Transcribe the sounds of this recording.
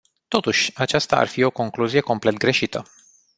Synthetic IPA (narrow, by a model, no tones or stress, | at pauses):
t̪o̞t̪uʃʲat͡ʃast̪a̰a̰rfio̞ko̞ŋkluzije̞ko̞mple̞t̪ɡɾe̞ʃit̪ə